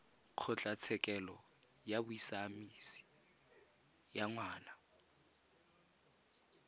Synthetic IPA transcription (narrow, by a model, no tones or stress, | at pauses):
q͡χʰɔt͡ɬʼat͡sʰɛkʼɛlɔ | jabʊisaːmisi̥ | jaŋwaːna